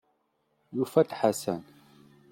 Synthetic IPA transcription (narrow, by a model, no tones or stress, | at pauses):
jufɐt̪ħasan